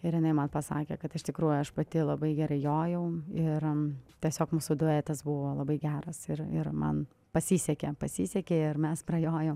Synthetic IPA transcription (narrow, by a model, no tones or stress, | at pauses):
ɪɾjɪnɐɪmɐnpɐsɑ̰ːkʲḛːkɐt̪ɪʃt̪ʲɪkɾuːjʊɐʃpɐt̪ʲɪlˠɐbɐɪɡʲɛɾɐɪjoːjɛʊɪrt̪ʲɛsʲoːkmuːsud̪ʊɛt̪ɐsbʊʋoːlˠɐbɐɪɡʲæːɾɐsɪɾɪ̰ɾmɐ̰n | pɐsʲiːsʲɛkʲepɐsʲiːsʲɛkʲeːɪrmʲɛspɾɐjoːjoːm